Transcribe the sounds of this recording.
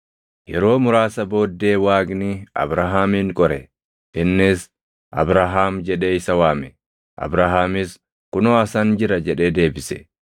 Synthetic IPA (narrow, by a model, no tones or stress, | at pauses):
jɛɾo̞ːmʊɾaːsɐbo̞ːd̪ːe̞ːwaːɡnɪɐ̰bɾaɦaːmiːŋkʼɔɾɛ | ɪnːɪs | ʔɐ̰bɾaɦaːmd͡ʒɛᶑe̞ːɪsɐwaːmɛ | ʔɐ̰bɾaɦaːmɪs | kʊnoːɐsɐnd͡ʒɪɾɐd͡ʒɛᶑe̞ːd̪e̞ːbɪsɛ̥